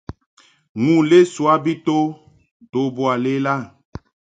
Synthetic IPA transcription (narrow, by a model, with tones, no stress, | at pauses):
ŋũ˨le˦su˨a˦bi˦t̪o˦ | to˨bo˨a˨le˦la˦